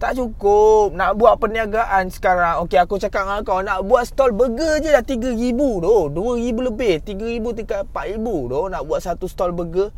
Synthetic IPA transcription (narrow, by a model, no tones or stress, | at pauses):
t̪aʔt͡ʃukʊp̚naʔbuaʔpəniaɡaʔansə̥kaɾaŋokeakut͡ʃakap̚ŋakawnaʔbuat̪̚sə̥t̪ɔlbəɡəd͡ʒədat̪iɡəɾibudohduəɾibuləbɪht̪iɡəɾibut̪ikapaʔɾibudohnaʔbuaʔsat̪ust̪ɔlbəɡə